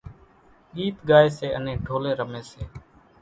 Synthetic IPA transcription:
ɠiːt̪ɠaːeːseːənẽːɖʱoːlẽːɾəmẽːseː

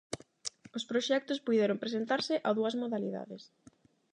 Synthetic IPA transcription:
ospɾoʃɛk̚t̪ʊspujðɛɾompɾesent̪aɾsɪʔaðuɐzmoðaliða̰ðes

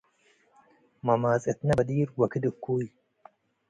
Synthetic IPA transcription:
mɐmaːzet̪nɐbɐd̪iːɾwɐkʰɨd̪ɨkʰːuːj

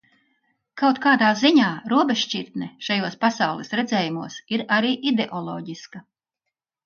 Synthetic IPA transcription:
kawt̪kaːd̪aːziɲaːɾuɔbeʃt͡ʃʲiɾt̪nɛʃajuɔspasawlˠɛsɾed̪zɛːjumuɔsiɾaɾiːʔid̪eʔɔlˠɔ̰ːɟiska

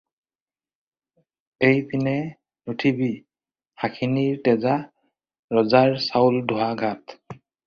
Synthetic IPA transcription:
ejpʰinɛ | nutʰibi | hakʰiniɹtɛza | ɹɔzaɹsawldʱoaɡʱat

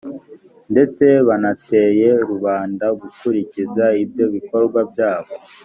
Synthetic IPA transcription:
nde̞t͡se̞βanate̞je̞ɾuβaːndaɡukuɾicizaib̚jo̞βiko̞ɾɡwabjaːβo̞

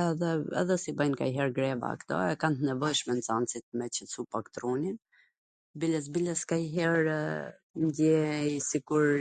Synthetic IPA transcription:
ɛðɛɛ̰ðɛsibajnka̰iɦɛɾɡɾɛva̰kt̪ɔ̰ɛkant̪ənɛvɔjʃmɛnt͡sant͡sit̪̚mɛt͡ɕəsupakt̪ɾunin | bilɛs̬biləskaiɦɛɾ | nd̪jɛisikuɾ

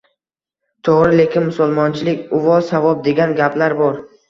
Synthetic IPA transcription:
t̪ʰoʁɾɪle̞kʲɪnmʊsʊlˠmɒnt͡ʃʰɪlɪkʲʊvɒzsavɒb̚d̪e̞ɡʲanɡʲapʰlaɾbɒɾ

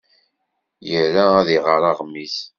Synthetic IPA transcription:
jəɾææðiʁəɾˤɑʁmːiθ

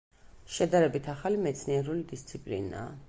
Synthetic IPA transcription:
ʃɛd̪aɾɛbit̪ʰaχalimɛt̪sʰniɛɾulid̪ist̪sʰipʼlḭna̰ː

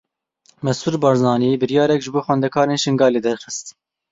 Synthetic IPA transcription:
mɛsuːɾbɑːɾzɑːniːbɨɾjɑːɾɛkʒɨboːxwɛnd̪ɛkʰɑːɾeːnʃɨŋɡɑːleːd̪ɛɾxɨst̪

